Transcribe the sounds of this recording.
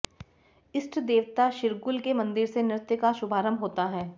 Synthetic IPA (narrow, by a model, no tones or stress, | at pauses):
ɪsʈʰd̪eːʋt̪aʃɪɾɡʊlkemɐ̃nd̪ɪɾsenɪɾɪt̪jəkaʃʊbʱaːɾəmɦoːt̪aɦɛː